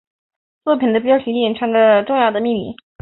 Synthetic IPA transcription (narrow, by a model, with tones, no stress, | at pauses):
t͡swɔ˥˩pʰi˨˩nd̪ə˩pjɕʰy˧˥ɛ˨˩ʈ͡ʂʰa˥ŋd̪ə˥˧ʈ͡ʂʊ˥˧ŋjɑ˥˩ʊd̪ə˩mi˥˧mḭ˥˩